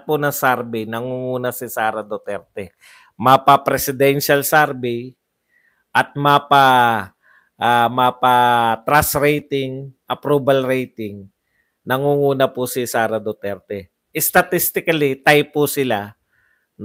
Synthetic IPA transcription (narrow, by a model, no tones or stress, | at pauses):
pʊnɐŋsaɾbɪnɐŋuŋuːnɐsɪsaːɾɐd̪ot̪ɛɾt̪ɛ | mɐpɐpɾɛsɪd̪ɛnʃalsaɾbɪ | ʔɐt̪̚mapa | ʔamapat̪ɾasɾɛjt̪ɪŋʔɐpɾuːbɐlɾɛjt̪ɪŋ | nɐŋuŋuːnɐpʊsɪsaːɾɐd̪ot̪ɛɾt̪ɛ | ʔɛst̪ɐt̪ist̪ɪkɐlit̪ajpʊsɪla | n